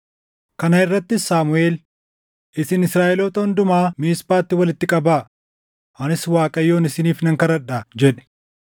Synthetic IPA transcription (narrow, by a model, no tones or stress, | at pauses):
kɐnɐɪrːɐt̪ːɪsaːmʊeːl | ʔɪsɪnɪsɾaːʔɛloːt̪ɐhʊnd̪ʊmaːmiːspaːt̪ːɪwɐlɪt̪ːɪkʼɐbaː | ʔɐnɪswaːkʼɐjːo̞ːnɪsɪniːfnɐŋkɐɾɐᶑad͡ʒɛᶑɛ̥